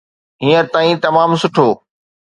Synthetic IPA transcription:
ɦiːə̃t̪aːĩt̪ɐmaːmsʊʈʰoː

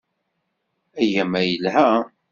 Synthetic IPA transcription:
æjæmæjəlhæ

